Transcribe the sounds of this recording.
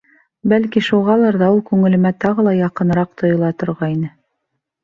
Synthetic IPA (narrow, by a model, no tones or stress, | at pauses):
bælkiʃuʁɑlˠɤɾðɑulˠkʉŋɘ̆lɘ̆mæt̪ɑʁɤlˠɑjɑqɤ̆n̆ɾɑq̚t̪ŏjŏlˠɑt̪ŏɾʁɑinɘ